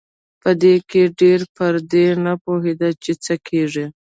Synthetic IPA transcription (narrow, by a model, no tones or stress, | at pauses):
pəd̪ekeɖeɾpəɾd̪enapoɦed̪at͡ʃet͡səkʰeʐi